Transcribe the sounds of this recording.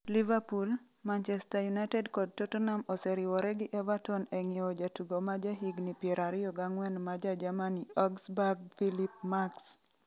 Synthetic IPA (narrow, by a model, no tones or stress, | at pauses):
livapul | mant͡ʃɛstajunajtɛdkɔd̚totonamɔsɛɾɪwɔɾɛɡɪʔɛvatɔnɛŋɪɔd͡ʒatuɡomad͡ʒaɦiɡnipjɛɾaɾɪjɔɡaŋwɛnmad͡ʒad͡ʒamaniɔɡsbaɡfilip̚maks